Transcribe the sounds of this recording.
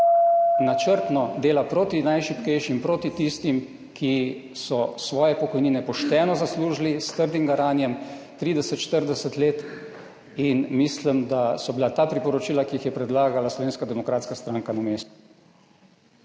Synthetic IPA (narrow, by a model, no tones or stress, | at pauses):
nat͡ʃəɾt̪nɔd̪eːlapɾoːt̪inajʃipkɛjʃimpɾoːt̪it̪ist̪im | kʰisɔsʋɔːjɛpɔkɔjniːnɛpɔʃt̪ɛːnɔzasluːʒlist̪əɾd̪imɡaɾaːnjɛmt̪ɾiːd̪ɛsət̪ʃt̪əɾd̪ɛsət̪leːt̪ | inmislimd̪asɔbilat̪aːpɾipɔɾɔt͡ʃiːlakijixjɛpɾɛd̪laːɡalaslɔʋeːnskad̪ɛmɔkɾaːt̪skast̪ɾaːŋkanameːst̪u̥